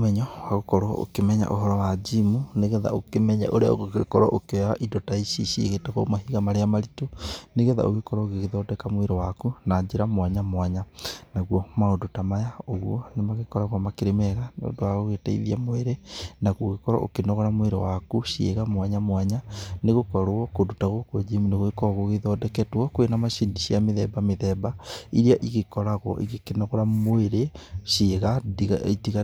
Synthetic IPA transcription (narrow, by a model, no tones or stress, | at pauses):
omɛɲɔwaɣokɔɾɔo̰kemɛɲa̰ʔoɦɔɾɔwad͡ʒimuneɣɛða̰okemɛɲa̰ʔoɾea̰oɣoɣekɔɾɔʔokeaʔidɔtaiʃiʃieɣetaɣɔmaɦiɣamaɾeamaɾitoneɣɛða̰ʔoɣekɔɾɔoɣeɣeðɔːdɛkamweɾɔwakunaɲd͡ʒeɾamwaɲamwaɲanaɣwɔmaodotamajaoɣwɔnemaɣekɔɾaɣwamakeɾemɛɣano̰ːndoaɣoɣetaḭðiamoeɾenaɣoɣekɔɾa̰ʔo̰kenɔɣɔɾamweɾewakuʃiḛɣamwaɲamwaɲaneɣokɔɾoɔkodotaɣokod͡ʒemuneɣoekɔɣoɣeðɔdɛkɛtwɔkwenamaʃindiʃiameðɛbameðɛbaiɾiaʔiɣekɔɾaɣwɔ̰ʔiɣekenɔɣɔɾamoeɾeʃeɣatiɣa